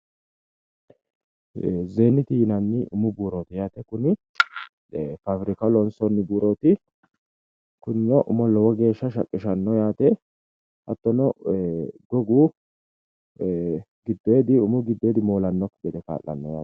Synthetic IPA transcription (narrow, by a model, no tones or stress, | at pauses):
zeːnːɪt̪ijɪnɐnːɪʔʊmʊbuːɾoːt̪ɪjaːt̪ɛkʊnɪ | fafɾɪkɐlɔnsɔnːɪbuːɾoːt̪ɪ | kʊnːɔʔʊmɔlɔwɔɡe̞ːʃːɐʃ̬ɐkʼːɪʃɐnːɔjaːt̪ɛ | hɐ̰t̪ːɔnɔ | ɡɔɡuː | ɡɪd̪ːeːd̪ɪʊmʊɡɪd̪ːe̞ːd̪ɪmo̞ːlɐnːɔkːɡɛd̪ɛka̰ːlːɐ̰nːɔja̰ː